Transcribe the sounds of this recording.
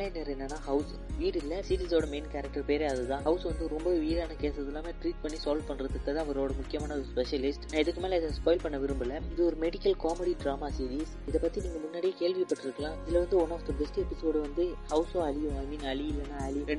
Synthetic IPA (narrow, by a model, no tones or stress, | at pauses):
lɐɪnɐɾɛnːɐnːaːɦɐʊs | ʋiːɾɪlːɐsiɾiːsoːɽɐmeːnkɐɾɐk̚ʈɐɾpeːɾeɐðɯt̪ãːɦɐʊsʋɐnd̪ɯɾɔmbɐʋiːɾaːnɐkeːsɐðɪlːaːmeːʈɾiːʈ̚pɐɳːisaːlɖpɐɳːɾɐðɯkːɐt̪ãːʋɔɾoːɽɐmʊkːɪjɐmaːnɐɔɾɯspɛʂɐlɪsʈnãːɪðɯkːɯmeːlɐɪðɐspoːɪlpɐɳːɐʋɪɾɯmbɪlːɐɪðɯɔɾɯmɛɽɪkɐlkaːmɛɽiɖɾaːmaːsiːɾiːs | ɪðɐpɐt̪ːiniːŋɡɐmʊnːaːɽɪjekeːɭʋipɐʈːɪɾɯkːɐlãːɪðɪlɐʋɐnd̪ɯʋɐnaːfd̪ɐbɛsʈɛpɪsoːɽɯʋɐnd̪ɯhɐʊsõːɐlɪjʊ̃ɐɪmiːnɐɭɪɪlːɐnːaːɐɭɪj̃ɾɛɳɖ